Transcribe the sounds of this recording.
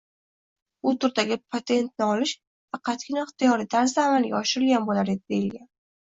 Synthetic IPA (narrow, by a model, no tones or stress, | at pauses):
ʊt̪ʰʊɾd̪aɡʲɪpʰat̪ʰe̞nt̪̚nɪɒlɪʃ | fɑqʰɑt̪kʲʰɪnɪɪχt̪ʰɪjɒɾɪt̪ʰaɾsd̪aːmalɡʲa̰ɒʃɪɾɪlɡʲanbolaɾed̪ɪd̪ejɪlɡʲan